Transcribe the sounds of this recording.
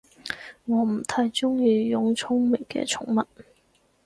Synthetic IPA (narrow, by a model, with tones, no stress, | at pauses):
ŋɔː˨˧m̩˨˩t̪ʰaː˧˥jt͡sʊ˥ŋjiː˧jʊ˨˥ŋt͡sʰʊ˥ŋmɪ˨˩ŋkɛ̰ː˧t͡sʰʊ˨˥ŋmɐ˨t̚